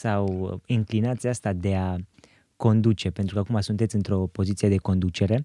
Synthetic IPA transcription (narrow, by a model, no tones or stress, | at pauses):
sawɨŋklinat̪sʲjast̪ad̪e̞a | ko̞nd̪ut͡ʃe̞pe̞nt̪ɾukakumasunt̪et̪sʲɨnt̪ɾo̞po̞zit̪sije̞d̪e̞ko̞nd̪ut͡ʃe̞ɾe̞